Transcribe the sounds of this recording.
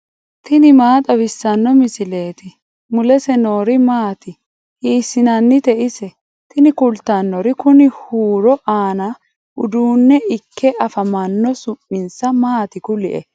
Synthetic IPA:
t̪ɪnɪmaːt̪ʼɐbɪsːɐnːɔmɪsɪle̞ːt̪ɪ | mʊlɛsɛno̞ːɾɪmaːt̪ɪ | hiːsːɪnɐnːɪt̪ɛʔɪsɛ | t̪ɪnɪkʊlt̪ɐnːɔɾɪkʊnɪhuːɾɔʔaːnɐ | ʔʊd̪uːnːɛʔɪkʰːɛʔɐfɐmɐnːɔsʊpːɪnsɐmaːt̪ɪkʊlɪʔɛ̰

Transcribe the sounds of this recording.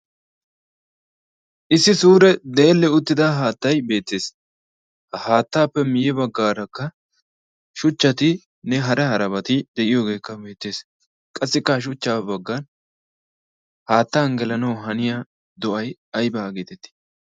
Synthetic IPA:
ʔɪsːɪsuːɾɛd̪e̞ːlːɛʊt̪ːɪd̪ɐɦaːt̪ːɐjbe̞ːt̪ːe̞ːs | haːt̪ːaːpːɛmɪjɛbɐɡːaːɾɐkːɐ | ʃʊt͡ʃːɐt̪ɪ | nɛɦɐɾɛhɐɾɐβɐt̪ɪd̪ɛʔɪjo̞ːɡe̞ːkːɐbe̞ːt̪ːe̞ːs | kʼɐsːɪkːɐʃ̬ʊt͡ʃːaːbɐɡːɐn | haːt̪ːaːnɡɛlɐnɐwɦɐnɪja | d̪ɔʔɐjɐjbaːɡeːt̪ɛt̪ːɪ̥

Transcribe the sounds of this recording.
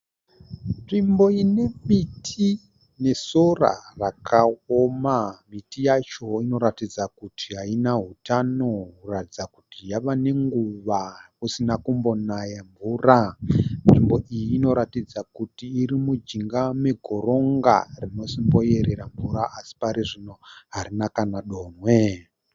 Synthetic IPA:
nʐimbo̞ine̞mitʰi | ne̞so̞ra̰rakʰaomamitijat͡ʃo̞ino̞ɾatid͡zakutʰiɦainaɦutano̞kuratid͡zakutijaʋane̞ŋɡuʋakusinakumbo̞najamvuːranimbo̞ʔijiːno̞ɾatid͡zakutiːɾimud͡ʒiŋɡame̞ɡʱo̞ɾo̞ŋɡa̰rino̞simbo̞je̞ɾe̞ɾaɱvuɾaʔasi̥paɾiʐino̞ɦaɾinakanaɗo̞ːmwe̞

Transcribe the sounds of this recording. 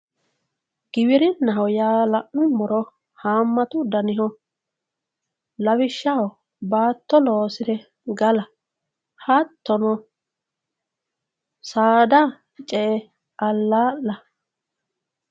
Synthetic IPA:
ɡ̥ɪbɪɾɪnːɐɦɔjaːlɐʔnʊmːɔɾɔ | haːmːɐt̪ʊd̪ɐnɪɦɔ | lɐwɪʃːɐhɔ | baːt̪ːɔloːsɪd̪ɛ | ɡɐlɐ | hɐt̪ːɔnɔ | saːd̪a | t͡ʃʼɛʔɛ | ʔɐlːaːlːɐ

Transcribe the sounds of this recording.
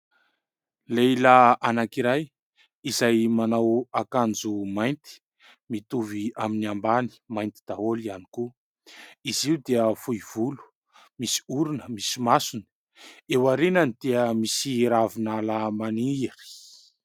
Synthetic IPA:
lelaanakiɾaj | izajmanawakand͡zumajnt̪i̥ | mit̪uviaminiambani̥majnt̪i̥d̪̥aolianiku | iziwd̪eəfuiv̥ulu̥ | misi̥uɾunəmisimasuni̥ | ewaɾinənid̪̥eəmisiɾavinalamaniri̥

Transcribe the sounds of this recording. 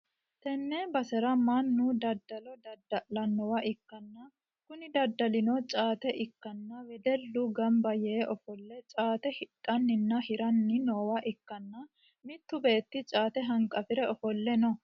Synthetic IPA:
t̪ɛnːɛbɐsɛɾɐmɐnːud̪ɐd̪ːɐlɔd̪ɐd̪ːɐʔlɐnːɔwɐʔɪkːɐnːɐ | kʊnɪd̪ɐd̪ːɐlɪnɔt͡ʃʼaːt̪ɛʔɪkːɐnːɐwɛd̪ɛlːʊɡɐmbɐjɛʔɔfɔlːɛt͡ʃʼaːt̪ɛhɪtʼːɐnːɪnːɐhɪɾɐnːɪnoːwɐʔɪkːɐnːɐ | mɪt̪ːʊbeːt̪ːɪt͡ʃʼaːt̪ɛɦɐŋkʼɐfɪɾɛɔfɔlːɛnɔ

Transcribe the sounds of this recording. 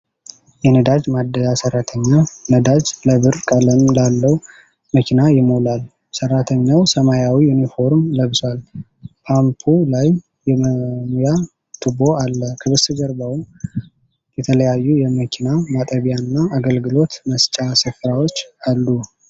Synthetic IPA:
jɛnəd̪ad͡ʒmad̪asərːat̪ʰəɲːanəd̪ad͡ʒləβɨɾkʼələmlalːəw | məkʰinajɪmolal | sərːat̪ʰəɲːawsəmajawijunifo̞ɾmləβsal | pʰampʰulaj | jɛməmuja | t̪ʰɨbo̞alːəkʰəβɨsɨd͡ʒəɾbawum | jɛt̪ʰələjajːujɛməkʰinamat̪ʼəβjanːaaɡəlɡɨlo̞t̪məst͡ʃʼasɨfɾawo̞t͡ʃːalːu

